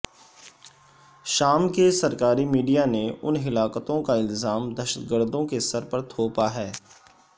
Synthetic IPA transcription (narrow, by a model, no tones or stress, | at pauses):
ʃaːmkesɐɾkaːɾimiːɖijaneʊ̰nɦɪlaːkət̪õkaɪlzaːmd̪əʃət̪ɡəɾd̪õkesɐɾpəɾt̪ʰoːpaɦɛː